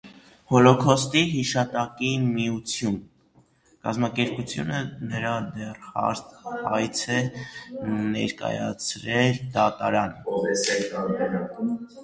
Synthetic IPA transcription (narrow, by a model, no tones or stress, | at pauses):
hɔlɔkʰɔst̪iɦiʃɑt̪ɑkimijut͡sʰjun | kɑ̰zmɑkɛɾput͡sʰjṵnənəɾɑd̪ɛrhɑ̰ɾhɑjt͡sʰɛ | nɛ̰ɾkɑ̰jɑ̰t͡sʰɾɛld̪ɑt̪ɑ̰ɾɑnɛsɛɑɾɛnɑk